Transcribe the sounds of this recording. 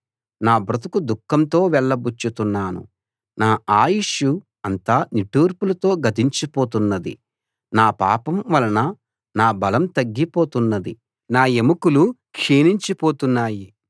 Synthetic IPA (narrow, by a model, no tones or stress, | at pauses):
naːbɾɐt̪ɐkud̪ukːɐnt̪o̞ːʋɛɭːɐbut͡ʃːut̪unːaːnṵ | naːʔaːjiʃu | ɐnt̪aːniʈuːɾpulɐt̪o̞ːɡɐd̪iɲt͡ʃipo̞ːt̪unːɐd̪ḭ | naːpa̰ːpɐmʋɐlɐnɐ | naːbɐlɐmt̪ɐɡːipo̞ːt̪unːɐd̪i | naːemukulukʂiːniɲt͡ʃipo̞ːt̪unːaːji